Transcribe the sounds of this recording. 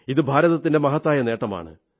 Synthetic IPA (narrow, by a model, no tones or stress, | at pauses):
iðɨbʱaːɾɐðɐt̪ːinde̞mɐɦɐt̪ːaːjɐne̞ːʈːɐma̰ːɳɨ̰